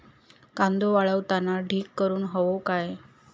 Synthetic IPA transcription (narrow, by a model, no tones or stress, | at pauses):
kãnd̪oʋaɭəʋt̪anaɖʱiːkːəɾuːnɦəʋokaj